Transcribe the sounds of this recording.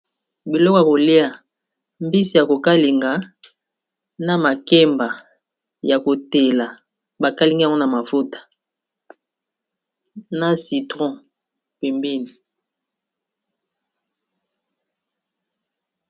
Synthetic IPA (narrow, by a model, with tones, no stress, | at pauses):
bi˨lɔ˦ka˨ko˨li˦a˨ | mbi˦si˨ja˨ko˨ka˦li˨ŋɡa˨˦ | na˨ma˨ke˦mba˨ | ja˨ko˨te˨la˨ | ba˨ka˦li˦ŋɡi˦a˨ŋ˦ɔ˦na˨ma˨fu˦tḁ˨ | na˦si˨tʁɔ̃˦ | pe˨mbi˦ni˨